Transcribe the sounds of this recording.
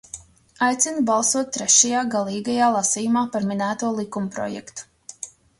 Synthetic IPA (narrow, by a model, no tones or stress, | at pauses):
ajt̪sinubalˠsuɔt̪̚t̪ːɾɛʃajaːɡalˠiːɡajaːlˠasijumaːpaɾminæːt̪uɔlˠikumpɾɔ̰jɛ̰kt̪u̥